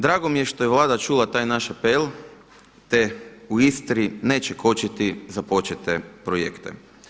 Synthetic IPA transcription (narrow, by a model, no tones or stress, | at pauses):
d̪ɾaːɡomijeʃt̪ojeʋlˠaːd̪at͡ʃulat̪aːjnaʃapel | t̪euist̪ɾineːt͡ʃekʰo̞t͡ʃit̪izapo̞t͡ʃet̪epɾojḛkt̪ḛ